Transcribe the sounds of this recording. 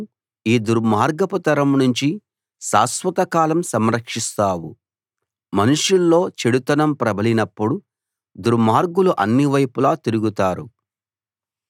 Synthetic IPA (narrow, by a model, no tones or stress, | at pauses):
iːd̪uɾmaːɾɡɐput̪ɐɾɐmnuɲt͡ʃi | saːsʋɐt̪ɐkaːlɐmsɐmɾɐkʂist̪aːwu | mɐnuʂulːo̞ːt͡ʃeɽut̪ɐnɐmpɾɐbɐlinɐpːuɽu | d̪uɾmaːɾɡuluʔɐ̰nːiʋɐjpulaːt̪iɾuɡut̪aːɾu